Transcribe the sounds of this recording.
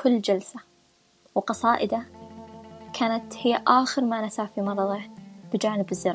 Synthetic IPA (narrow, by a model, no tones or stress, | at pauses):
kʊlːd͡ʒalsa | wqɑsˤɑːʔɪd̪a | kʰaːnat̪hɪjːaʔaːxɪɾmanasaːfimɑɾˤɑðˤɪb̥ɪd͡ʒaːnɪbɪzːɪɾ